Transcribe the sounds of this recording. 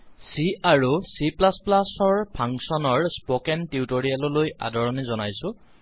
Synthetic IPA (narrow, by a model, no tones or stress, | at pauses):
siʔaɹusiplasplasɔɹpʰaŋsɔnɔɹspɔkɛntiutoɹialɔloja̰dɔɹɔnɛzɔnajsʊ̃